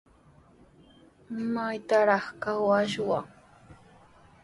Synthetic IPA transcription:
majt̪aɾɑχkawaʃwa

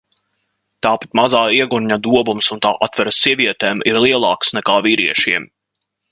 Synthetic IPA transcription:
t̪aːpḁt̪mazaːiɛɡuɾɲad̪uɔvumsunt̪a̰ːʔat̪vɛɾasiɛviɛt̪eːmiɾlˠiɛlˠɑːksnɛkaːviːɾiɛʃiɛm

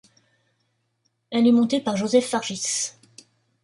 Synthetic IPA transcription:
ɛlɛmɔ̃t̪epaʁʒozɛfːaʁʒis

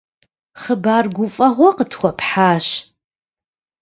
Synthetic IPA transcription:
χəbaːrɡʷʊfʼɐʁʷɐqətʰxʷɐpʰħaːʃ

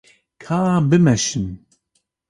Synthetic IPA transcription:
kʰaːbɨmɛʃɨn

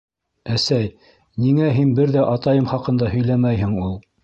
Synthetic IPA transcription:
æsæj | niŋæɦinbɘɾðæʔɑt̪ɑjɤmχɑqɤ̆nd̪ɑhɵ̆jlæmæjɦɘ̆ŋulˠ

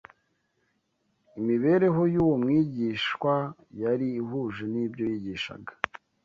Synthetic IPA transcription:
imiβe̞ɾe̞ɦo̞juːwomŋiːɟiʃwajaɾiːɦuʒenibɟo̞jiɟiʃa̰ɡḁ

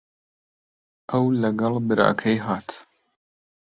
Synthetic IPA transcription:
ʔɐwlɐɡɐlˠbɨɾʔa̰ːkʰɐjɦaːt̪ʰ

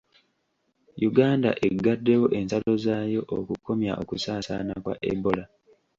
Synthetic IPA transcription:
juɡaːnda̰ʔeɡːadːe̞wo̞ʔe̞nsalo̞zaːjo̞ʔokukːo̞mja̰ʔo̞kusaːsanakwa̰ʔḛbo̞la

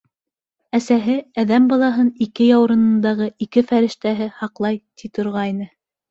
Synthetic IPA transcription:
æsæɦɘæðæmbɑlˠɑɦɤnikɘjɑwɾɤ̆nɤ̆nd̪ɑʁɤikɘfæɾɘ̆ʃt̪æɦɘhɑqlˠɑjt̪it̪ŏɾʁɑjnɤ

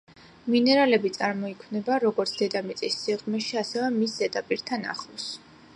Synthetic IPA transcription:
minɛɾalɛbit̪sʼaɾmɔikʰwnɛbaɾɔɡɔɾt̪sʰd̪̥ɛd̪amit̪sʼisːiʁmɛʃiasɛvɛmisɛd̪ʼapʼiɾt̪ʰana̰χɔs

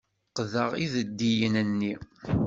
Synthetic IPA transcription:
qðəʁḭðəd̪ːijənənːi

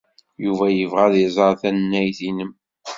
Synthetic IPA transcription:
juvæjəvʁæðizˤɑɾˤθænnːæjθinəm

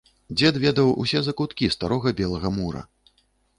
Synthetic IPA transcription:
d͡zʲɛt̪vʲɛd̪ɐwṵsʲɛzɐkut̪kʲist̪aɾɔɣɐbʲɛlˠɐɣɐmuɾɐ̰

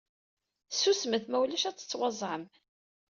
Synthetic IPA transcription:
susməθmæwlæʃæt͡sːə̥t͡sːwɑzˤʕəm

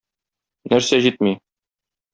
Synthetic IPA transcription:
næɾsæʑit̪̚mi

